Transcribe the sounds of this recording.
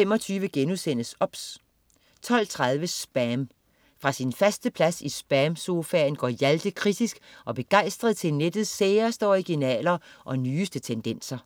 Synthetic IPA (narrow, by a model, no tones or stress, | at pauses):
fem̰ɒ̽t͡sʰyːʋəɡ̥enusen̰əsɒ̽b̥s | t͡sʰɒ̽l̰t͡sʰʁɑ̈ð̞ˠʋəsb̥æm | fʁɑ̈sinfæsd̥əpʰlæsisb̥æmso̝fæːnɡ̥ɒ̰ːjæld̥əkʰʁid̥isɡ̥ʔɒ̽b̥e̝ɡ̥ɑ̈ɪ̰sd̥ʁɐðˠt͡sʰe̝lned̥ð̩ˠseːɐsd̥əɒʁiɡ̥inɛ̰ːlɐʔɒ̽nyːsd̥ət͡sʰend̥en̰sɐ